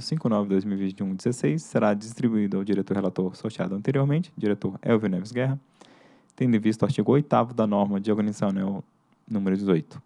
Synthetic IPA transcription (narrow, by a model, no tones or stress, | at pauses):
sĩkʊɪnɔvɪd̪ojzmiwivĩt͡ʃiũd͡ʒɪzesejsːeɾad͡ʒist̪ɾibuid̪ʊawd͡ʒiɾet̪oɾhelat̪oɾsot͡ʃia̰d̪ʊɐ̃nt̪eɾioɾmẽt͡ʃɪ̥d͡ʒiɾet̪oɾɛwvinɛvɪzɡɛɦɐ | t̪ẽd̪ʊĩvist̪ʊaɾt͡ʃiɡʊojt̪avʊd̪ɐnɔɾmɐd͡ʒɪoɡɐnizɐ̃nɛw | nũmeɾʊd͡ʒɪzojt̪ʊ̥